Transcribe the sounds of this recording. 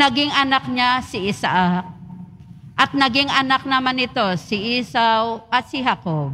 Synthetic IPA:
ɐɡɪŋʔɐnak̚ɲasɪʔɪsaʔak̚ | ʔɐt̪̚nɐɡɪŋʔɐnak̚nɐmanɪt̪o̞sɪʔiːsawʔɐt̪̚sɪɦakob̚

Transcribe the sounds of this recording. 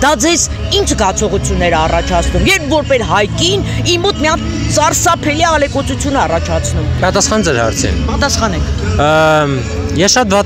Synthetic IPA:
d̪ɑd͡zɛz | int͡ʃʰɡɑt͡sʰɔʁut͡sʰjunːɛɾɑrɑt͡ʃʰɑt͡sʰnumjɛɾpʰvɔɾpɛsɦɑjkinimɔt̪mijɑnk | t͡sɑrsɑpʰɛliɑlɛkɔt͡sut͡sʰjunɛɑrɑt͡ʃʰɑt͡sʰnumpɑt̪ɑsχɑnd͡zɛɾhɑ̰ɾt͡sʰḭpɑt̪ɑsχɑnɛkʰ | jɛʃɑt̪vɑ

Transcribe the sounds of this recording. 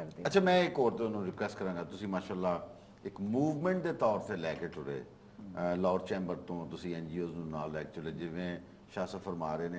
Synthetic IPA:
ətːt͡ʃʰʃʰaːmɛ̃ːɪkɦoːɾt̪ẽnũːɾɪkʋɛːsʈkəɾãːɡaːt̪ʊsĩːmaːʃaːlːaː | ɪkmuːʋmɛ̃ɳʈ̚d̪eːt̪ɔːɾt̪eːlɛːkeːʈʰʊɾḛː | lɔːɖt͡ʃẽːmbəɾt̪õːt̪ʊsĩːɛːnd͡ʒiːoːznũnaːlːɛːkeʈʰʊɾeːd͡ʒɪʋẽː | ʃaːsəfʰəɾmaːɾeːneː

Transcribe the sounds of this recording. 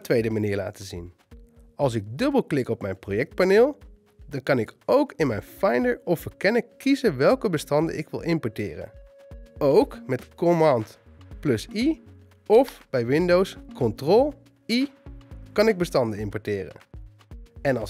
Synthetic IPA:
tʋejdəmaniːɹla̰ːtəzḭn | ɑlˠs̬ɪɡ̚dɵbəlˠklɪkɔpmɛjnprojɛk̚t̚paneːlˠ | dɑnkɑnɪkowkɪnmɛjnfɑjndəɹɔfəɹkɛnəkizənʋɛlˠkəbəstɑndə̰ʔɪ̰kʋɪ̰lˠʔɪmpɔɹtɪ̰ːrə̰ | owkmɛtkɔmɑnt | plɵsi | ɔfb̥ɛjʋɪndowskɔntrɔlˠ | i | kɑnɪɡ̚bəstɑndəɪmpɔɹtɪːrə̰ | ɛnɑ

